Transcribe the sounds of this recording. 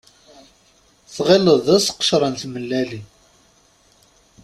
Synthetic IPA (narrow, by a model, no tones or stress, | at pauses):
θʁeləðˤæsqːə̥ʃɾˤənt̪məlːæli